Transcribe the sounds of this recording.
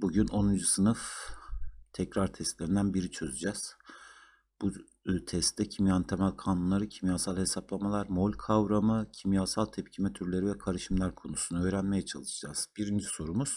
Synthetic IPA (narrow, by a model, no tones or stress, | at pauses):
buɟynʔo̞nund͡ʒusɯnɯf | t̪ʰɛcɾaɾt̪ʰɛst̪lʲeɾind̪ænbiɾit͡ʃʰø̞zyd͡ʒaz̥ | b̥u | t̪ʰɛst̪ʰɛcʰimjaɯnt̪ʰɛmælʲkʰanunlˠaɾɯcʰimjaːsalʲˠhe̞saplˠamalˠaɾmolʲkʰavɾamɯcʰimjaːsalˠt̪ʰɛp̚cʰimɛt̪ʰyɾlʲe̞ɾivɛkʰaɾɯʃɯmlʲæɾkʰo̞nusunuø̞ːɾænme̞jɛt͡ʃʰalˠɯʃɯd͡ʒaz̥biɾind͡ʒiso̞ɾumuz̥